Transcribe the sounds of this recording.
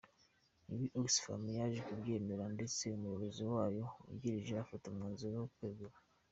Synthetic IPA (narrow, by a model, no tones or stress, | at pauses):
iwiʔoksfa̰mjaʒekubɟe̞ːme̞ɾande̞t͡seumujoɾoziwaːjo̞ṵɟiɾiʒeafatomŋaːnzojokweɡuɾa